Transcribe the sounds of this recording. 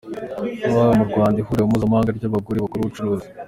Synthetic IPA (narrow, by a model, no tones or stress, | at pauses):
wamuɾɡwaːndihuɾeumuzamhaːŋɡaɾɟaβaɡoɾiβakuɾuβut͡ʃuɾuːzi̥